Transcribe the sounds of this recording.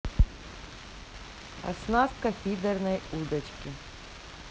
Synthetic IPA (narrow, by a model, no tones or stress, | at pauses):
ɐ̰snaskɐfʲid̪ɛrnɐjud̪ɐt͡ʃkʲi